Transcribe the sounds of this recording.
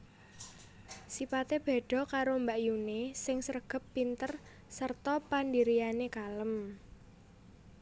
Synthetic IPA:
sifat̪eb̥e̤ɖ̥ɔ̤kaɾombaʔjunesɪŋsəɾəɡ̥ə̤pːint̪ər | sərt̪ɔpandiɾijanekaləm

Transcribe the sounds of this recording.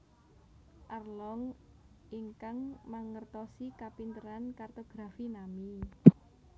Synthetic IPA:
ʔarlɔŋ | iŋkaŋmaŋərt̪ɔsikapint̪əɾankart̪oɡ̥ɾafinami

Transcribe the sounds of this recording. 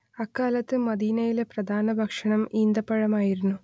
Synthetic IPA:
ɐkːaːlɐt̪ːɨmɐd̪iːnɐjilepɾɐd̪ʱaːnɐbʱɐkʂɐɳɐmiːnd̪ɐpːɐɻɐmaːjiɾunːu

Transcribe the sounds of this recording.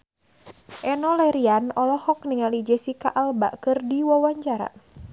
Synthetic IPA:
ʔɛnɔlɛɾianɔlɔhɔk̚niŋalid͡ʒɛsikaʔalba̰ʔkɨrdiwɔwaɲd͡ʒaɾa̰

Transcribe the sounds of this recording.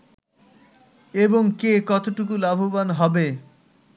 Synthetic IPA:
eboŋkekɔt̪oʈukulabʱobanɦɔbe

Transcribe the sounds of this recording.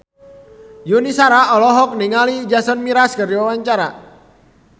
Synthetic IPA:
junisaɾaʔɔlɔɦɔk̚niŋalid͡ʒasɔnmiɾaskɨrdiwawaɲt͡ʃaɾa

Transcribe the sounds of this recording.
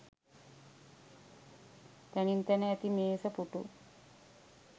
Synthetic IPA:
t̪ænint̪ænəæt̪imeːsəpuʈṵ

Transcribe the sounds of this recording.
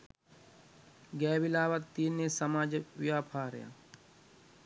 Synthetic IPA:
ɡɛːʋɪlaːʋət̪ːiːneːsɐmaːd͡ʒʋjaːpʰaːɾja̰ː

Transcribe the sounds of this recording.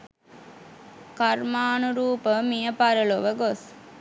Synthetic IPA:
kɐɾmaːnuɾuːpəmijɐpɐɾɐloʋəɡos

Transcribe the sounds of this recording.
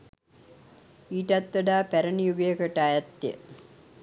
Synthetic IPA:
iːʈɐt̪ʋəɖaːpæɾənijuɡɐjəkəʈaːjɐt̪ːjə̰

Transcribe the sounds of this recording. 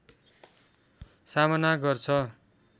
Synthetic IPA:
samʌnaɡʌrt͡sʰʌ

